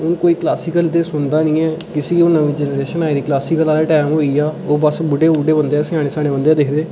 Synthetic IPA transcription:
ʊnkoːiːklaːsɪːkəld̪eːsʊnd̪aːnĩːɛːkɪsiːoːnəʋĩːd͡ʒɛːnəɾeːʃənaːɪɾiːklaːsikəlaːleʈɛːmɦoːiːaːoːbəsbʊɖeːuːɖeːbənd̪eaːsɪjãːɽ̃eːsaːɽẽːbənd̪eãːd̪eːkʰɾeː

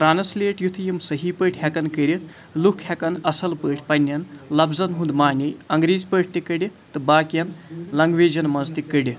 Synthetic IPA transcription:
pɾaːnɐslʲeːʈjut̪ʰɐjimsɐɦipəːʈʰɦɐkɐnkəɾʲit̪ʰ | lukʰhɐkɐnɐsɐlpəːʈʰʲpɐnʲːjɐnlɐbzɐnɦund̪maːnʲɐjɐŋɡɾeːzpəʈ̚ʰʲt̪ikɐɽit̪ɨbaːkjɐnlɐŋɡʋeːd͡ʒɐnmɐnzt̪ikəɖʲi

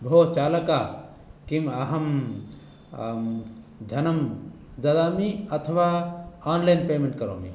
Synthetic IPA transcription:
bʱoːt͡ʃaːlɐka | kimɐɦɐm | d̪ʱɐnɐm | d̪ɐd̪aːmiɐt̪ʰʋaːaːnlainpeːmẽɳʈ̚kɐɾo̰ːmḭ

